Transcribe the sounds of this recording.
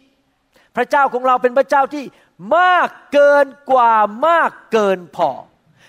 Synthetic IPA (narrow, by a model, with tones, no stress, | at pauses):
pʰɾa˦˥t͡ɕaː˥˩wkʰɔ˩˦ŋɾa˧wp̬e˧npʰɾa˥t͡ɕaː˥˩wt̪ʰiː˥˩ | maː˥˩kːɤː˧nkwaː˨˩maː˥˩kːɤː˧npʰɔ̰ː˨˧˩